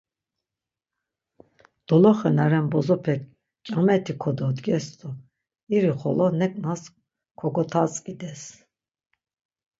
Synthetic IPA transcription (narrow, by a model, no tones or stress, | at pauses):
d̪̥ɔlɔχɛnaɾɛnbɔzɔpʰɛk̚ | kʼamɛt̪ʰikʰɔd̪ɔd̪ɡɛst̪ɔ | iɾiχɔlɔnɛkʼnas | kʰɔɡɔt̪ʰat͡sʼkʼid̪ɛs